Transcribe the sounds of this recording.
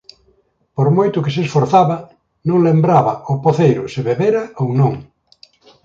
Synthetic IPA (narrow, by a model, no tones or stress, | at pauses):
poɾmojt̪ʊkɪsesfoɾθaβɐ | nõŋlembɾaβɐopoθejɾʊsɪβeβeɾɐownõŋ